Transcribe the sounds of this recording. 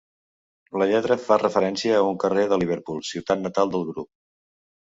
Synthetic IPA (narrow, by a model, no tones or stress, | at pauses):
ləʎɛt̪ɾəfarəfəɾɛnsiəːuŋkəreðəliβ̞əɾpulˠsiwt̪at̪nət̪alˠd̪əlˠɣɾup̚